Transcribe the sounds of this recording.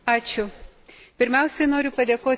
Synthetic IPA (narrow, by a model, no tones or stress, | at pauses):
ɑːt͡ʃʲʊpʲɪɾʲmʲɛʊsʲɛnoːɾʲʊpɐd̪ʲeːkoː